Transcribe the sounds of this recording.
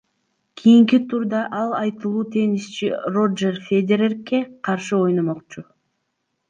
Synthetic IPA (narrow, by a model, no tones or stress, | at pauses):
kʲʰijiŋkit̪ʰuɾd̪ɑʔɑlˠɑjt̪ɯlˠuːt̪ʰe̞nist͡ʃḭro̞d͡ʒerfʲed̪ʲeɾerkːe̞qʰɑɾʃɯo̞jnomo̞qt͡ʃu